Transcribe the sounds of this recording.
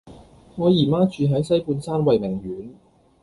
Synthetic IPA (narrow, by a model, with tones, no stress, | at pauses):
ŋɔː˨˧jiː˨˩maː˥t͡ʃyː˨˧ɦɐ˨˥jsɐ˥jpuː˧nsaː˥nwɐ˨jmɪ˨˩ŋɥyː˨˥n